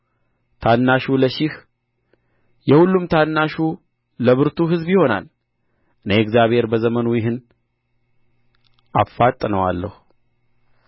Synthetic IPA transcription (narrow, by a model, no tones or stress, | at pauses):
t̪ʰanːaʃuləʃɪh | jɛhulːumt̪ʰanːaʃu | ləβɨɾt̪ʰuɦɨzbjɪho̞na̰l | ʔɨneɛɡzjaβhe̞ɾbəzəmənujɪɦɨn | ʔa̰fːat̪ʼːnəwalːəhu